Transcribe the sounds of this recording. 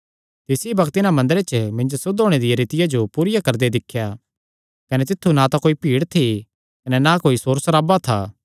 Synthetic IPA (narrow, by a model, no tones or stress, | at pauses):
t̪ɪsibɐkʰt̪ɪnãmɐ̃nd̪əɾet͡ʃəmɪ̃ɲd͡ʒosʊd̪ʱoːɽ̃ed̪ɪjeɾɪt̪ɪjad͡ʒopuːɾɪjakɐɾd̪ed̪ɪkʰːja | kɐnɛt̪ɪt̪ʰːunat̪akoːipiːɽt̪ʰi | kɐnɛnakoːisoːɾsɐɾaːbat̪ʰaː